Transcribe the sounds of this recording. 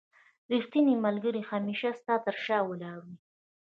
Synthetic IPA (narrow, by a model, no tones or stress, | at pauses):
ɾixt̪inimalɡəɾixamiʃast̪ɑt̪əɾʃɑwəlɑɾwi